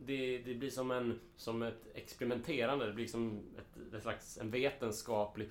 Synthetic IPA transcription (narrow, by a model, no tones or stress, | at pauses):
d̪ɛd̪ɛblɪʂɔmɛn | sɔmɛt̪ɛ̰kspɛɾɪmɛnt̪ʰeːɾand̪əd̪ɛblɪɾlksɔmɛ̰t̪ɛnslaksɛnveːt̪ənskɑːplɪ